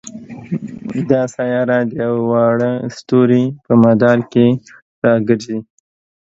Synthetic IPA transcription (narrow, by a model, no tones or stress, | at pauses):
d̪ɑsajɑɾad̪əjawwɑɽəst̪oɾipəmad̪ɑɾke | ɾɑɡəɾzi